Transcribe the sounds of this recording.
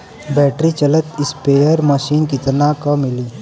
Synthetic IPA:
bɛːʈɾit͡ʃɐlət̪ɪspeːjəɾməʃiːnkɪt̪nakɐmɪliː

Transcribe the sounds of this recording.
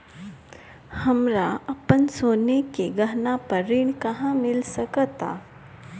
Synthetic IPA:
hɐmɾaɐpənsoːnekeɡɐɦnapəɾɪñkɐɦãmɪlsɐkt̪a̰ː

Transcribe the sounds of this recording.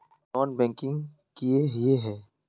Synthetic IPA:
nɔːnbɛ̃ːŋkɪ̃ŋɡ | kieɦjeɦɛː

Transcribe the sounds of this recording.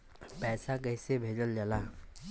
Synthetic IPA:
pɛːsakəɦɪsebʱeːd͡ʒəld͡ʒəlaː

